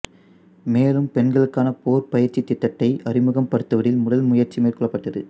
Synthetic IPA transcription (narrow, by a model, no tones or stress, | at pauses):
meːlɯmpɛnɡɐɭɯkːaːnɐpoːɾpɐjɐɾt͡ʃːɪt̪ːɪt̪ːɐʈːɐɪʔɐrɪmɯɣɐmpɐɽɯt̪ːɐʋɐɽɪlmʊɽɐlmʊjɐɾt͡ʃimeːrkɔɭːɐpːɐʈːɐðɯ̰